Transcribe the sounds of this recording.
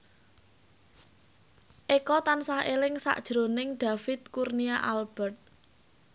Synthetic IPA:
ʔekɔt̪ansahelɪŋsa̰ʔd̥ʒ̥ɾonɪŋɖ̥a̤fɪt̪̚kurniaʔalb̥ɛrt̪̚

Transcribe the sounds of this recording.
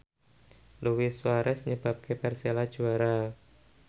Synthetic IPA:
luwiswaɾɛsɲəb̥a̤p̚kʰepɛrselad̥ʒ̥uaɾa

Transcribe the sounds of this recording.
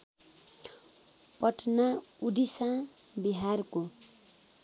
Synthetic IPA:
pʌʈʰnaudisãbiɦarko

